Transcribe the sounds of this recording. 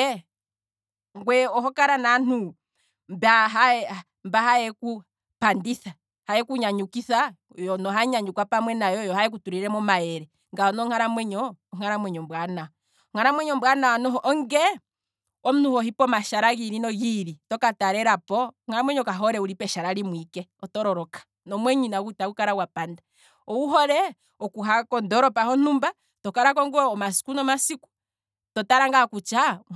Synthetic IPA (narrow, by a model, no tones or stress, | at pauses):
ŋɡwɛɔɦɔkaɾanan̥u | mbaɦaɛ | mbaɦajɛku | pandisa | hajɛkuɲaɲukisa | jɔnɔɦaɲaɲukwapamwɛnajɔjɔhajɛk̬utuɾiɾɛmɔmajɛɾɛ | ŋɡaɔnɔŋaɾamwɛɲɔːŋ̥aɾamwɛɲɔmbwana | ɔŋ̥aɾamwɛɲɔmbwanaanɔɦɔʔɔŋɡɛ | ɔm̩nuhɔhipɔmaʃaɾaɣiɾinɔɣiɾitɔkataɾɛɾapɔŋ̥aɾamwɛɲɔkaɦɔɾɛuɾipɛʃaɾaɾimwikɛɔtɔɾɔɾɔkḁ | nɔmwɛɲinaɣutakukaɾawapanda | ɔwuɦɔɾɛ | ɔkuɦakɔndɔɾɔpahɔn̥umba | tɔkaɾakɔŋɡɔɔmasi̥kunɔmasiku̥ | tɔtaɾaŋɡakut͡ʃa